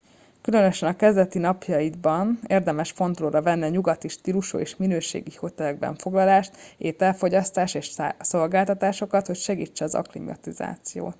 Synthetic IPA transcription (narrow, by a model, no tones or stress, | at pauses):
kylø̞nø̞ʃɛnɒkɛzd̪ɛt̪inɒpjɒjid̪bɒneːrd̪ɛmɛʃfo̞nt̪loːɾɒvɛnːiɒɲuɡɒt̪iʃt̪iɾuʃo̰ːeːʃminøːʃḛːɡiho̞t̪ɛlɛɡ̚bɛ̰ɱfo̞ɡlɒlaːʃt̪eːt̪ɛlfo̞ɟɒst̪aːʃeːʃso̞lɡaːlt̪ɒt̪aːʃo̞kɒt̪ho̞cʃɛɡiːt͡ʃːɛɒzɒ̰klḭmɒ̰t̪iza̰ːt̪sijo̰ːt̪